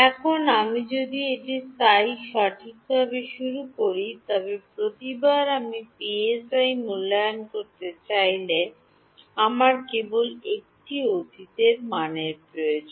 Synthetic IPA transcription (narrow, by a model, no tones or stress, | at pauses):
ɛkʰonamid͡ʑod̪ieʈist̪ajʃaʈʰik̚bʱabeʃuɾukoɾit̪ɔbepɾot̪ibaɾamipiesajmulːajonkoɾt̪et͡ɕajle | amaɾkebolek̚ʈiod̪ʱit̪eɾmaneɾpɾojod͡ʑon